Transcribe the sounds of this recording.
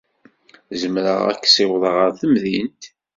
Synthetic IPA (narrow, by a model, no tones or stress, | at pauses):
zəmɾəʁæ̰kːsɪwðˤəʁəɾθəmðint̪